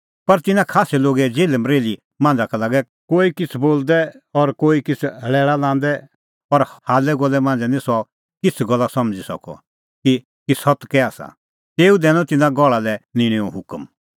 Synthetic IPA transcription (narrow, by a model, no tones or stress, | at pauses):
pɐɾt̪ɪnãkʰaːsɛloːɡɛd͡ʒeːləmɾeːli | mãːnd͡zakalaːɡɛ | koːikɪt͡sʰboːld̪ɛɔɾkoːikɪt͡sʰɦɐɭɛːɭalãːnd̪ɛ | ɔɾhaːlɛɡɔlɛmãːnd͡zɛnĩsɔ | kɪt͡sʰɡɔlːasɐmd͡zisɔ̰kɔ̰ | ki | kisɔt̪kɛaːsa̰ | t̪eːud̪ɛːñɔ̃t̪ɪnãɡɔɭalɛnɪ̃ɽ̃ĩɔ̃ɦʊkəm